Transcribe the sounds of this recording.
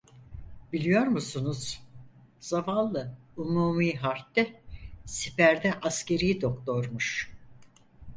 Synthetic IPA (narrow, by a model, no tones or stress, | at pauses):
bilʲijo̞ɾmusunuz̥ | z̥avalˠːɯ | umuːmiːɦaɾt̪ːɛsipæɾd̪ɛʔasce̞ɾijid̪o̞kt̪o̞ɾmuʃ